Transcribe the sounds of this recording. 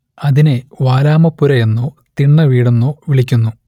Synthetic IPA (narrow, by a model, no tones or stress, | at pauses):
ɐðineʋaːlaːmɐpːuɾɐjenːo | t̪iɳːɐʋiːɽenːoʋiɭikʲːunːu